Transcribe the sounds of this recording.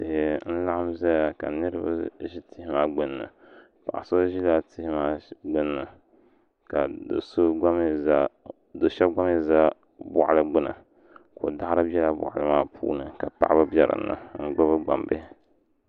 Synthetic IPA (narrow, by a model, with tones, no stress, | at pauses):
te˨n̩˦la˦ha˦mza˦ja˨ka̰˨nɨ˦ɾɨ˦ba̰˦ʒi˦tʰɪ˨hɪ˦maː˦ɡ͡bɨ˦nːɨ̰˨ | pa˨ʔa̰˨so˦ʒi˦la˦tɪ˦hɪ˦maː˦ɡ͡bɨ˦nːɨ˨ | ka˨do˨so˦a˦m˦ | do˨ʃa˦ɡ͡ba˦mi˦za˦ | bʊ̰˦ʔa˨lɨ˦ɡ͡bʊ˦nɨ̰˨ | ko˨da˦a˦ɾɨ˦bɛ˦la˦bʊ̰˨ʔa˨lɨ˨maː˦pʰṵː˦nɨ˨ka˨pa̰˦˨ʔa˦ba˦bjɛ˨ɾɨ̰˨˦nːa̰˨ŋ̩˦ɡ͡ba˦βɨ˦ɡ͡ba̰˨mbe˦